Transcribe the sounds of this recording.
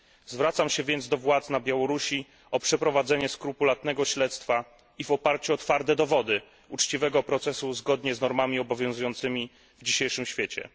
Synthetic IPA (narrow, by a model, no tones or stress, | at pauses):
zvɾat̪samɕɛvʲjɛnd̪zd̪ɔvwat̪snabʲjawɔɾuɕi | ɔpʂɛpɾɔvad̪zɛɲɛskɾupulat̪nɛɡɔɕlɛt̪st̪fa | ivɔpaɾt͡ɕuɔt̪faɾt̪ɛd̪ɔvɔd̪ɘ | ut͡ʂt͡ɕivɛɡɔpɾɔt̪sɛsuzɡɔd̪ɲɛznɔɾmamʲiɔbɔvʲjɔ̃w̃zujɔnt̪sɘmʲi | vd͡ʑiɕejʂɘmɕfʲjet͡ɕɛ̰